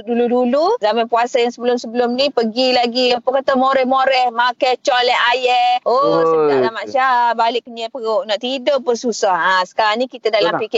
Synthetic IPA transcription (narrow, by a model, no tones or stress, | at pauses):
duluduluzamanpuasajaŋsəbəlʊmsəbəlʊmnipəɡilaɡipəkat̪amoɾɛhmoɾɛhmakajt͡ʃɔlɛɦajɛʔosəidaʔnaʔmaʔʃabalɪʔkːəɲəpəoʔnaʔt̪idoʔpəsusahasə̥kaɾaŋnĩkit̪adalampikɪ